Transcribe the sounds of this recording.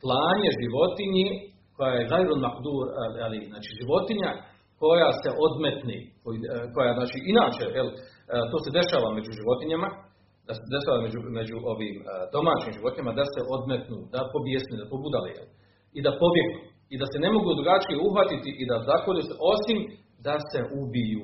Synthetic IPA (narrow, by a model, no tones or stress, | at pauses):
plˠaːɲe̞ʒiʋo̞t̪iɲe | ko̞jajeɣajɾonmakd̪uːɾaliznaːt͡ʃiːʒiʋo̞t̪iɲa | ko̞jase̞ʔo̞d̪met̪nḛːkojiko̞jaznaːt͡ʃiːinaːt͡ʃejel | t̪o̞ːse̞d̪e̞ʃaːʋame̞d͡ʑuʒiʋo̞t̪iɲama | d̪ased̪e̞ʃaːʋamed͡ʑume̞d͡ʑuʔo̞ʋiːmd̪o̞maːt͡ʃiːmʒiʋo̞t̪iɲemad̪aseʔo̞d̪met̪nuːd̪apo̞bjesnid̪apobuːd̪alḛjel | id̪apo̞bje̞ɡnu | id̪asene̞mo̞ɡud̪ɾuɡat͡ʃijeuɦʋat̪it̪iʔid̪azaxoluseʔo̞sim | d̪ase̞ʔubijuː